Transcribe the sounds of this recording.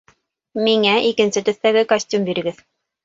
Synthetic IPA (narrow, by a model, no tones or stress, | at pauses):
miŋæʔikɘ̆nsɘt̪ɵ̆θt̪æɡɘkɐsʲtʲumbiɾɘ̆ɡɘð